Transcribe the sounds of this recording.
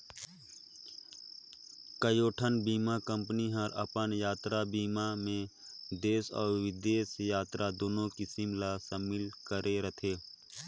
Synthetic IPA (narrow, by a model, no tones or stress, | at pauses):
kəjoːʈʰənbiːmakə̃mpniɦəɾə̰pənjaːt̪ɾabiːmamẽ | d̪eːsɔ̰ːɾʋɪd̪eːsjaːt̪ɾad̪oːnõkɪsɪmlasəmɪlkəɾʔeɾət̪ʰeː